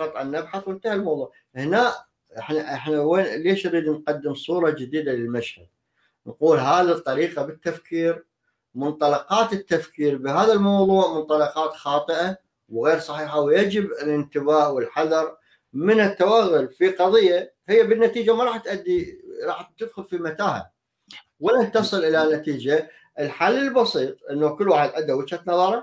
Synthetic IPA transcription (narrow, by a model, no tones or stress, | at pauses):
qɑt̪ˤʕanːabħaθwɪnt̪ahalmɑwðˤuːʕ | hɪnaːʔ | ɪħnaʔɪħnaweːnleːʃnɾiːd̪nqɑd̪ːɪmsˤuːɾˤɑd͡ʒɪd̪iːd̪alɪlmaʃhad̪̚ | nquːlɦaːðit̪ˤːɑɾiːqabɪt̪ːafkiːɾ | mʊnt̪ˤɑlɑqɑːt̪ɪt̪ːafkiːɾbɪɦaːðalmɑwðˤuːʕmʊnt̪ˤɑlɑqɑːt̪xɑːt̪ˤɨʔa | wɣeːɾsˤɑħiːħawjad͡ʒɪbɪlɪnt̪ɪbaːʔwɪlħaðɑɾˤ | mɪnɪt̪ːawaɣːʊlfiqɑðˤɨjːa | hɪjːabɪnːat̪iːd͡ʒamɑɾˤɑːħt̪ʔad̪ːiɾˤɑːħt̪ːɪd̪xʊlfimat̪aːha̰ | wɪnaht̪ːɑsˤɨlʔɪlanat̪iːd͡ʒa | ʔɪlħalːɪlbɑsˤiːt̪ˤʔɪnːakɪlːwaːħɪd̪ʔad̪ːawɪt̪hat̪nɑðˤɑːɾˤɑ